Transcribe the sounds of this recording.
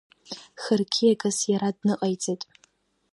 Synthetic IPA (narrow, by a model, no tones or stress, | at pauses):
xɨrkʲʰijaɡʼɨsjaɾadnɨqʼajt͡sʼejtʼ